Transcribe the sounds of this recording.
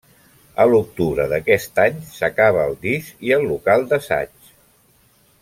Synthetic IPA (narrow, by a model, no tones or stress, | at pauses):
əluk̚t̪uβɾəðəkɛst̪aɲsəkaβ̞əːlˠd̪iʃiəlːukalˠd̪əsa̰t͡ʃ